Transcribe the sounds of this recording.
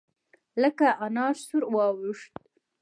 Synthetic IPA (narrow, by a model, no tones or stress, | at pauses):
ləkaʔanɑɾsuɾwɑwuʂt̪